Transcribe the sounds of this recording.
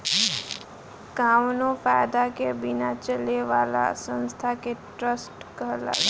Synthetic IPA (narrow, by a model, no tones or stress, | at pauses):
kaːʋnõpaːjd̪akebɪnat͡ʃəleʋaːla̰sə̃nst̪ʰakeʈɾəsʈkəɦla̰